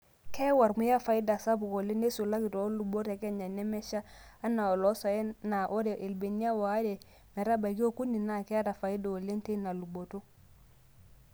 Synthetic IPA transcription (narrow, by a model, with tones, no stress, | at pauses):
ke˦wa˨ɾmu˦ja˦fa˨i˦da˨sa˦bu˨ko˨le˦ne˦su˨la˦ki˨to˨˦lu˨bo˦ɾe˨ke˦ɲa˨ne˦mɛ˦ʃa˦a˦na˨o˨lɔ˦so˨je˦na˨ʔo˦ɾe˨ʔe˨lbe˨ni˦a˦wa˨a˦de˨ | me˨ɾa˦ba˨ɡi˦o˦ku˦ni˨na˦˨ke˦a˦ta˨fa˨i˦da˨o˨le˦nte˦na˨lu˨bo˨to˦